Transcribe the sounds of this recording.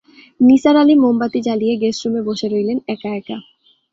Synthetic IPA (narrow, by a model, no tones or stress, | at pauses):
nisaɾalimombat̪id͡ʑalijeɡesɾumeboʃeɾojlenɛkaeka